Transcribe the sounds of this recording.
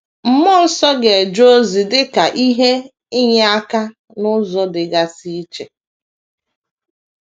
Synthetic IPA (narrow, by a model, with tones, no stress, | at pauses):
m̩˨mʊ˦l̩˦sɔ˦ɡe˨e˨d͡ʒo˦zi˨dɪ˦ka˨ʔi˦ɦe˦ | ɪ˦ɲ˦a˦ka˦ | nʊ˦zɔ˨dɪ˨ɡa˦si˦t͡ʃe˨